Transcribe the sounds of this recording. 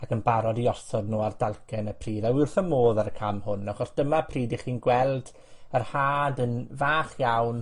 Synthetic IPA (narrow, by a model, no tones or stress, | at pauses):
akʰənbaɾɔdiɔsɔdnuːardalˠkʰɛnəpʰriːðawɪrθəmoːðaɾəkʰamhʊnaχɔsd̥əmapʰriːdiχiːnɡwɛlˠd | ərhaːdənvaːχjawn